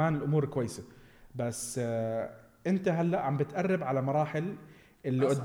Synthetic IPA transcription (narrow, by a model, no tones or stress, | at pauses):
aːnɪlʔʊmuːɾkwajːsabasː | ʔɪnt̪aɦalːaʔʕambɪt̪ʔɑrˤːɑbʕalamɑɾˤɑːħɪl | ʔɪlːiʔʊd̪ː